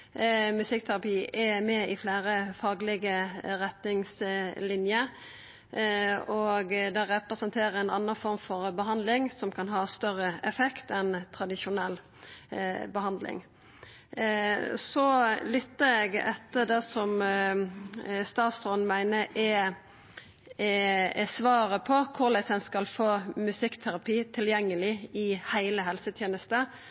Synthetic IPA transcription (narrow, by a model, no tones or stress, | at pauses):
mʉsɪk̚t̪ʰæɾɑpiːɛmɛɪflæːɾəfɑːɡlɪɡəɾɛt̪nɪŋslɪnjəɾ | ɔɡd̪ɛʁɛpɾəsənt̪ʰeːɾəɾɛnɑ̰nːənfɔɾmfɔɾbəɦɑnd̪lɪŋsɔmkʰɑnɦɑːst̪œɾəɛfɛkt̪ɛnt̪ʰɾɑd̪ɪʃʊnɛlː | bəhɑnd̪lɪ̰ŋ | sɔlʏt̪ːəɾɛɡɛt̪ːəd̪ɛsɔm | st̪ɑːt̪sɔnmæɪnəʔɛ | sʋɑːɾəpʰɔkʰʊʁlæɪsɛnskɑlfoːmʉsɪkt̪ʰæɾɑpiːt̪ʰɪljɛŋːəlɪɪhæɪləɦɛlsət̪ʰjeːnəst̪ə